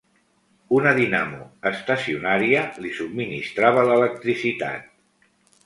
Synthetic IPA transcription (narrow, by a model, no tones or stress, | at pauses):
unəðina̰mṵəst̪əsiunaɾiəlisub̚minist̪ɾaβ̞ələlək̚t̪ɾisit̪a̰t̪̚